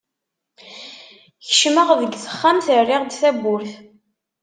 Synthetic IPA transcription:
çəʃməʁðəɡθə̥χːamθərːɪʁd̪θæbʊɾθ

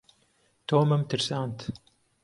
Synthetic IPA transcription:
t̪oːmɐmt̪ɨɾsaːnt̪

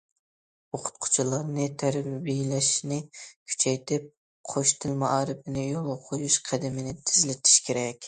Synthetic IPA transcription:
oqʰʊ̥t̪̚qʰʊ̥t͡ʃʰilˠɑɾnɨt̪ʰæɾbijlɛʃnɪkʲʰy̥t͡ʃʰɛjt̪ʰɪp̚ | qʰoʃt̪ʰɨlˠmɑʔɑːɾɨpɪnɪjolˠoqʰojuʃqʰæd̪ɪmɪnɪt̪ʰɪzlɪt̪ʰi̥ʃkʲʰeɾɛkʲ

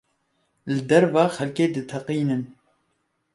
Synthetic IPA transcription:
lɨd̪ɛɾvɑːxɛlkeːd̪ɨt̪ʰɛqiːnɨn

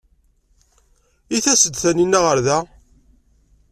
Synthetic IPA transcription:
iθæsəd̪θæninːæʁəɾðæ

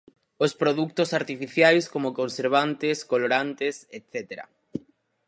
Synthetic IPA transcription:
ospɾoðuk̚t̪osaɾt̪ifiθjajskomokõnseɾβ̞ant̪ɪskoloɾant̪eset̪θet̪eɾa̰

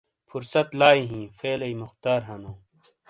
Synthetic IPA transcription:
fʰuɾsɐt̪laːiɦĩːfeːlɐjmʊxt̪aːɾɦɐnũː

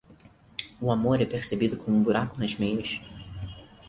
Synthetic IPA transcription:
ʊamoɾɛpeɾsebid̪ʊkõũbuɾakʊnɐzmẽnʊʃ

